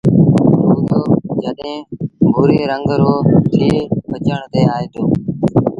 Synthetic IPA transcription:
ɦuːt̪oːd͡ʒəɗɦẽːbʱuːɾeːɾəŋɡɾoːt̪ʰiːbət͡ʃəɳt̪eːaːɦeːt̪ʰoː

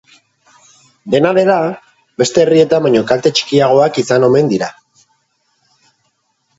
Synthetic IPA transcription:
d̪e̞naðe̞ɾa | be̞st̪e̞ːrie̞t̪aβaɲo̞kalt̪e̞t͡ʃi̥kiaɣ̞o̞akisano̞me̞nd̪iɾa

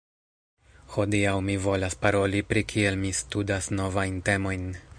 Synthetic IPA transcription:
ho̞diawmivo̞laspaɾo̞lipɾikʰie̞lmistudasno̞vajnte̞mo̞jn

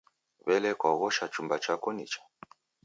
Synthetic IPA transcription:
βɛlɛkwaɣɔʃat͡ʃumbat͡ʃakɔnḭt͡ʃḁ

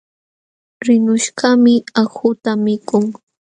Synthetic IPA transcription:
ɾɪnʊʃɢamɪaxʊt̪amɪkʊŋ

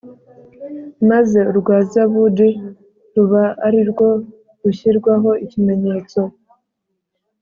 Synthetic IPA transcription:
maze̞uɾɡwaːziaβudi | ɾuβaaɾiɾɡo̞ | ɾuçiɾɡwaɦo̞icime̞ɲe̞ːt͡so̞

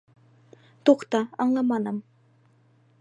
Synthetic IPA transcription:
t̪uqt̪ɑɑɴlˠɑmɑnɤm

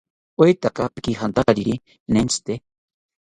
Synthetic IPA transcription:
ojt̪akapi̥kixant̪aɾaɾiɾi | nent͡sʰɨ̥t̪e

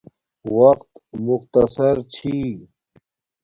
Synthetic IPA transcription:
wɐqt̪mʊqt̪ɐsɐɾt͡ɕʰi

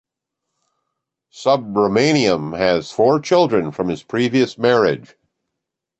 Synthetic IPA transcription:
sʌb̚ɹoʊmẽɪ̃niɨ̃mɨz̥fɔɹt͡ʃʰɪlˠdɹɨ̃nfɹʌ̃mɨz̥pʰɹ̥iviɨsmɛɹɪd̥ʒ̥

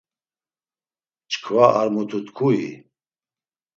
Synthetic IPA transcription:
t͡ʃʰkʰvaaɾmut̪ʰut̪kʰuḭ

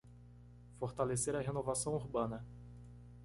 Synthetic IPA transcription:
foɾt̪aleseɾɐɦenovasɐ̃w̃uɾbɐ̃nɐ

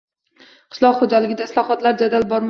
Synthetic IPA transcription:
qʰɪ̥ʃlˠɒqχod͡ʒalɪɡʲɪd̪aslˠɒχɒt̪laɾd͡ʒad̪albɒɾm

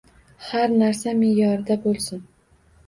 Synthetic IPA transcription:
haɾnaɾsamejɒɾɪd̪abolˠsɪn

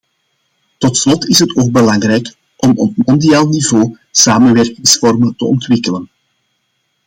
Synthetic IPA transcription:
tɔtslɔtɪsɦətoːɡ̚bəlɑŋɾɛjk | ʔɔmɔp̚mɔndijaːlˠnivoː | saːmənʋɛrkɪŋsfɔrməntə̰ɔ̰ntwɪkələn

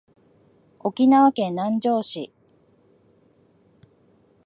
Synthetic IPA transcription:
o̞kʲinaβakẽ̞nːãɲ̟d͡ʑo̞ːɕi

